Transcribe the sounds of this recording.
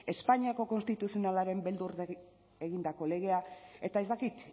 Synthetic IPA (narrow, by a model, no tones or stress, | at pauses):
e̞spaɲiako̞ko̞nst̪it̪usio̞nalaɾe̞mbe̞ld̪uɾð | eɣind̪ako̞le̞ɣ̞e̞ae̞t̪ae̞zd̪akit̪